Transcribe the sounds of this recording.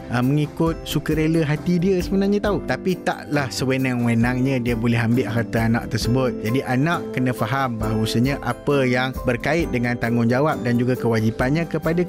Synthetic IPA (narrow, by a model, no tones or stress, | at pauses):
əməŋikʊt̪̚sukəɾeləɦat̪idiəsəbənaɲãt̪aut̪apit̪a̰ʔlahsəwenaŋwənãŋɲə̃diəbolɛɦambɪlʔaɦat̪aanã̰ʔ̚t̪ərsəbʊt̪̚d͡ʒadiʔanãʔkənə̃faɦambaɦusəɲə̃ʔapəjaŋbərkaɪt̪̚dəŋãnt̪aŋʊnd͡ʒawap̚dand͡ʒuɡakəwad͡ʒipanɲãkəpada